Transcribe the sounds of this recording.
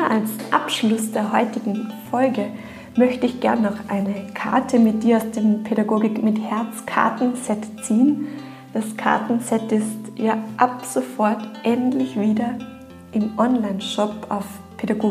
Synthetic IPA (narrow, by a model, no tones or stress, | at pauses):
ʔalsʔapʃlʊsd̥eːɐhɔʏtɪɡŋ̩fɔlɡə | mœçtəɪçɡ̥ɛɐnːɔχʔa̰ɪnəkʰa̰ɐtʰəmɪt̚d̥iːɐaʊsd̥eːmpʰeɾaɡoːɡɪkmɪthɛɐt͡skʰa̰ɐtn̩sɛtt͡siːən | d̥askʰa̰ɐtn̩sɛtɪstjaːʔapz̥ofɔɐtʔɛntlɪçv̥iːdɐ | ʔɪmʔɔnlaɪnʃɔpa̰ʊf | pʰedaɡoː